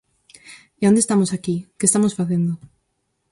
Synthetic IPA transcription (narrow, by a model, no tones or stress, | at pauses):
iõnd̪est̪amosakikest̪amosfaθend̪ʊ